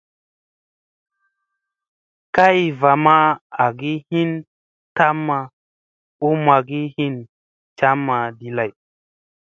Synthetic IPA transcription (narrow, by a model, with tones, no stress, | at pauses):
ka˦jva˨ma˦a˨ɡi˦hi˦n | ta˦mːa˨ | u˦ma˨ɡi˦hi˦n | t͡ʃa˦mːa˨di˨la˨j